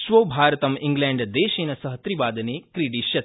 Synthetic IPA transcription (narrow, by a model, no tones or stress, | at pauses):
ʃʋoːbʱaːɾɐt̪ɐmiŋɡlẽɳɖd̪eːʃeːnɐsɐɦɐt̪ɾiʋaːd̪ɐneːkɾiɖiʃjɐt̪